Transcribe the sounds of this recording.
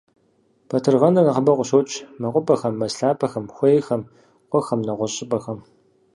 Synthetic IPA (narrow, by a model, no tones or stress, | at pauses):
pʰɐtʰɨrʁɐnɨnɐqəbɐqʷʊɕowt͡ʃʰʼmɐqʷʼʊpʼɐxɐmːɐsɬaːpʰɐxɐmxʷejxɐm | qʷɔxɐmnɐʁʷɔɕʼɪpʼɐxɐm